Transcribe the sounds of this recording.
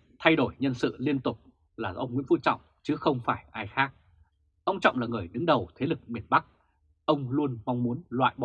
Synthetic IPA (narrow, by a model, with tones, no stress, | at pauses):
t̪ʰa˧jɗo˧˩jɲə˧nsɨ̰˧˨li˧ənt̪ʊ˨˩k͡p̚ | laː˨˩ʔə˧wŋ͡mŋwḭ˧˥ənfu˧˥t̚t͡ɕɔ̰˧˨wŋ͡mt͡ɕɨ˨˦xə˧wŋ͡mfaː˧˩jʔaː˧jxaː˦˥k̚ | ʔə˧wŋ͡mt͡ɕɔ̰˧˨wŋ͡mlaː˨˩ŋɨ˨˩əjɗɨ˨˦ŋɗə˨˩wt̪ʰe˨˦lɨ˨˩k̚mi˨˩ənɓa˦˥k̚ | ʔə˧wŋ͡mlu˧ənma˧wŋ͡mmu˨˦ənlwa̰ː˧˨jɓɔ˧˨